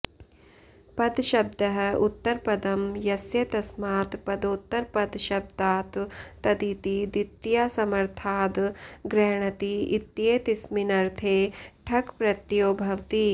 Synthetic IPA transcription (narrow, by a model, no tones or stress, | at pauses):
pɐd̪ʃɐb̚d̪ɐɦɐ̆ut̪ːɐɾpɐd̪ɐmjɐsjɐt̪ɐsmaːt̪pɐd̪oːt̪ːɐɾpɐd̪ʃɐb̚d̪aːt̪ːɐd̪it̪id̪it̪ːjasɐmɐɾt̪ʰaːd̪ɡɾɛːɳɐt̪iit̪jeːt̪isminɐɾt̪ʰeːʈʰɐkpɾɐt̪joːbʱɐʋt̪i